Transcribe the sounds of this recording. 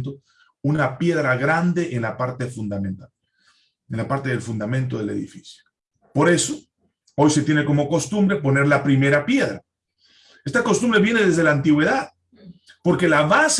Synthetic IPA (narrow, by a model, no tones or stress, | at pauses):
nt̪̬o | unapje̞ðɾaɣɾand̪e̞ʔenlapaɾt̪e̞fund̪amẽnt̪a | enlapaɾt̪e̞ðelfund̪amẽnt̪̬o̞ðe̞le̞̰ðḭfi̥sjo̥ | poɾe̞so | ojse̞t̪je̞ne̞ko̞mo̞ko̞st̪umbɾepo̞ne̞ɾlapɾime̞ɾapje̞ðɾa | est̪ako̞st̪umbɾe̞βje̞ne̞ðe̞zðelaːnt̪iɣwe̞ðað | po̞ɾke̞laβas